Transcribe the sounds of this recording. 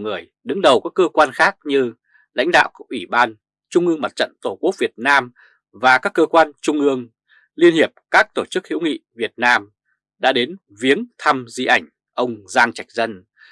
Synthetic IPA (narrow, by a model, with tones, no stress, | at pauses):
ŋɨ˨˩əj | ɗɨ˨˦ŋɗə˨˩wkaː˦˥kːəː˧kwaː˧nxaː˦˥k̚ɲɨ˧ | la̰˧˥jŋ̟ɗa̰ː˧˨wkʔwi˧˩ɓaː˧n | t͡ɕʊ˧ŋ͡mʔɨ˧əŋma˨˩t̚t͡ɕə̰˧˨nt̪o˧˩ku˦˥ək̚vi˨˩ət̚naː˧m | vaː˨˩kaː˦˥kːəː˧kwaː˧nt͡ɕʊ˧ŋ͡mʔɨ˧əŋ | li˧ənhi˨˩əp̚kaː˦˥k̚t̪o˧˩t͡ɕɨ˦˥k̚hḭ˧˥wŋḭ˧˨vi˨˩ət̚naː˧m | ɗa̰ː˧˥ɗe˨˦n | vi˨˦ənt̪ʰa˧mzi˧ʔa˧˩jŋ̟ | ʔə˧wŋ͡mzaː˧ŋt͡ɕa˨˩jk̟̚zə˧n